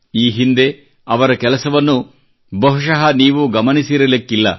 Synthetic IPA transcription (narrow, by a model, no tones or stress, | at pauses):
iːɦind̪e̞ | ɐʋɐɾɐkɛlɐsɐʋɐnːu | bɐɦuʂɐɦɐniːʋuɡɐmɐnisiɾɐlikːilːɐ